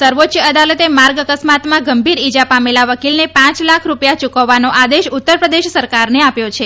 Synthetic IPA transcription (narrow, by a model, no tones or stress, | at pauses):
səɾʋot̪ʃjəəd̪alət̪emaɾɡəkəsmat̪mãɡəmbʱiɾid͡ʒapamelaʋəkilnepãt͡ʃlakʰɾupjat͡ʃukəʋːanoʔad̪eʃut̪ːəɾpɾəd̪eʃsəɾkaɾneapjot͡ʃʰe